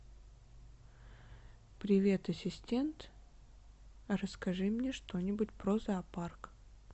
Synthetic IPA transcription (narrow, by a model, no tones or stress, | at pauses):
pɾʲɪvʲe̞t̪ɐsʲɪsʲtʲe̞nt̪ | rəskɐʐɨmnʲeʂt̪o̞nʲɪbʊtʲpɾozɐːpark